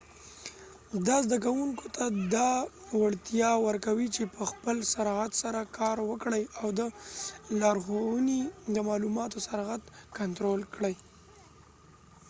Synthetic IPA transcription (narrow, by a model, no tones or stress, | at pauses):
zd̪ɑzd̪ak̬awuŋkot̪ʰad̪ɑwaɽt̪jɑwəɾkawit͡ʃepəxpəlsaɾɑɣat̪saɾakʰɑɾwəkɽəjawd̪əlɑɾɣonid̪əmɑlumɑt̪osaɾɑɣat̪kant̪ɾolkɽəj